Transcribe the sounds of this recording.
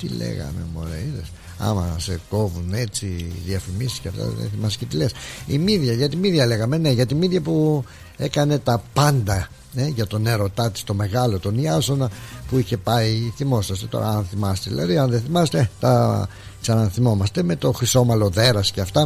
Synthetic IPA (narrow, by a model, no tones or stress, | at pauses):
t̪ḭlḛɣɐ̰me̞̰mo̰ɾeiðes | ɐ̰mɐse̞ko̞vune̞t͡siðiɐfimisi̥sceɐft̪ɐ̰ðḛnθimɐscet̪ilesimiðʝɐʝɐt̪imiðʝɐle̞ɣɐme̞ne̞ʝɐt̪imiðʝɐpu | e̞kɐne̞t̪ɐpɐnd̪ɐ | eʝɐt̪o̞ne̞ɾo̞t̪ɐt̪i̥st̪o̞me̞ɣɐlo̞t̪oniɐsonɐpuiçe̞pɐiθimo̞sɐst̪et̪o̞̰ɾɐ̰ɐnθimɐst̪eðḭlʔɐ̰ðiɐnðeθimɐset̪et̪ɐ | ksɐnɐθimo̞mɐst̪e̞me̞t̪o̞xɾiso̞mɐlo̞ðe̞ɾɐsceɐft̪ɐ